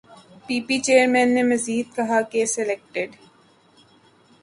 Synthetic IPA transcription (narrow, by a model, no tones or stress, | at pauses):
piːpit͡ʃeːəɾmɛ̃ːnːemɐziːd̪̚kɐɦakesɛlek̚ʈɪɖ